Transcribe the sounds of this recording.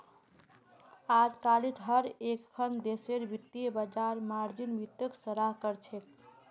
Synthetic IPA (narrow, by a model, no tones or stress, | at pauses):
ad͡ʒkalit̪ɦəɾekkʰːənd̪eseɾbit̪ːibəd͡ʒaɾmaɾd͡ʒinbit̪əksəɾaɦkəɾt͡ʃʰek̪